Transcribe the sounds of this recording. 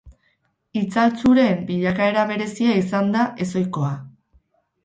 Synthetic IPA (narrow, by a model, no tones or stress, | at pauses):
it͡salt͡suɾe̞mbiʎakae̞ɾaβ̞e̞ɾe̞siaisand̪aʔe̞so̞jko̞a